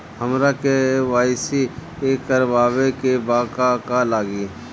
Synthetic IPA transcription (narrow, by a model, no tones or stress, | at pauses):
həmɾakeʋaːɪsikekəɾʋaːʋekebaːkakalaːɡiː